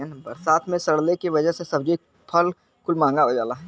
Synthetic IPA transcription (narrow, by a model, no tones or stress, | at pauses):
ənbɐɾsaːt̪ʰmẽsɐɽlekiʋɐd͡ʒəɦsesɐb̚d͡ʒe | pʰɐl | kʊlmãːŋɡaəd͡ʒaːlaɦ